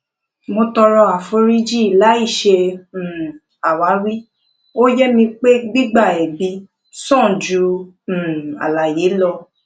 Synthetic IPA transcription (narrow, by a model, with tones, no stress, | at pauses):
mo˧tɔ˧ɾɔ˧a˨fo˧˦ɾi˦d͡ʒi˦˨la˨˦i˦˨ʃẽ˧˨ | a˨wa˨˦ɾi˦ | o˦jɛ˦mĩ˧k͡pe˦ɡ͡bi˦ɡ͡ba˦˨ɛ˨bi˧˦ | sɔ̃˦˨d͡ʒũ˨˧˨ | a̰˨la˨je˨˦lɔ˧